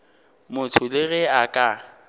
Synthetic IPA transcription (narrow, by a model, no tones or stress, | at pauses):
mʊtʰʊleɣɪakʼa